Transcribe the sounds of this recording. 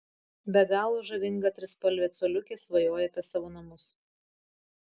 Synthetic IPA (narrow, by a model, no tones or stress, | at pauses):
bʲɛɡɑːlˠoːʒɐʋʲɪŋɡɐt̪ʲɾʲɪspɐlʲʋʲɛːt̪sɔːlʲʊkʲeːsʋɐjoːjɛɐpʲɛsɑːʋoːnɐmʊs